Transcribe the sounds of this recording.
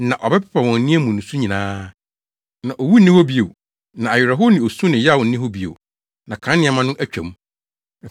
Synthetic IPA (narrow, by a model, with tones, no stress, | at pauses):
nã˨ʔɔ˨bɛ˦pʰɛ̥˦pʰa˨wɔ̃˨n˦nɪ̃˦æ˦mũ˨nũ˨sũ˦ɲĩ˨nãː˦ | nã˨ʔɔ˨wu˦nɪ̃˦hɔ˦bi˦e˨w | nã˨a˨jᶣɪ˨ɾa˨ɦʊ˦nɪ̃˨o˨sũ˦nɪ̃˨jɛ˦˨wʊ˨n̩˦nɪ̃˦ɦɔ˦bi˨˦ḛ˨ | nã˨kʰã˨˦nɪ̃˦a˨mã˦nʊ̃˦ʔæ˦t͡ɕᶣɛ̰̃˨m˦˨